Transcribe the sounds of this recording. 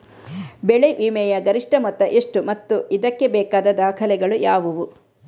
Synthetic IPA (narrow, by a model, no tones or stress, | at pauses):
bɛɭeʋiːmɛjɐɡɐɾiʂʈɐmɔt̪ːɐʔeʂʈumɐt̪ːuid̪ɐkːebɛːkaːd̪ɐd̪aːkʰɐlɛɡɐɭujaːʋuʋu